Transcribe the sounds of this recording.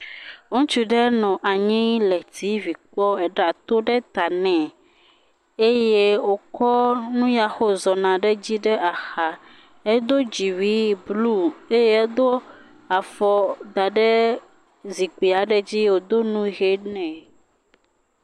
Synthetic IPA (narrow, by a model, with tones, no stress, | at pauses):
ŋũ˦t͡ʃu˦ɖɛ˦nɔ̃˨ʔa˨ɲĩ˦lɛ˨t̪i˦vi˨k͡pɔ˦ɛ˨ɖa˨t̪o˦ɖɛ˦t̪a˨nɛ̃˨ | e˦je˦wo˦kɔ˦nũ˦ja˨xo˦zɔ˨nã˨ɖɛ˦d͡ʑi˦ɖɛ˦ʔa˨xa˨ | ɛ˦d̪o˦d͡ʑi˨wi˦blu˦e˦je˦ɛ˦d̪o˦ | a˨fɔ˦d̪a˨ɖɛ˦ | zi˨k͡pi˨a˨ɖɛ˦d͡ʑi˦wo˨d̪o˦nũ˦ɣe˦nɛ̃˨